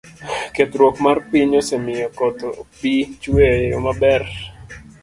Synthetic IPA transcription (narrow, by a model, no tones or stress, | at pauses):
ket̪ɾwokmarpiɲosemɪjɔkɔt̪opit͡ʃwejo̰mabɛr